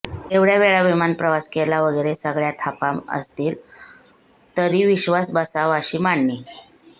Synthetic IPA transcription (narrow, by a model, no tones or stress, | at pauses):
eʋɽjaʋeɭaʋimanpɾəʋaskelaʋəɡəɾesəɡɭjat̪ʰapamə̰st̪iːl | t̪əɾiːʋiɕʋasbəsaʋəɕiːmaɳːiː